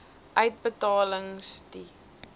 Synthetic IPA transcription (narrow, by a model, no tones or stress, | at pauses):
ʔœɥt̚bətɑːləŋsti